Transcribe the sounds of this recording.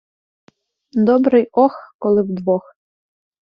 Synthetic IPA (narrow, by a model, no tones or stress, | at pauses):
d̪obɾɨjoxkolˠɨvd̪vox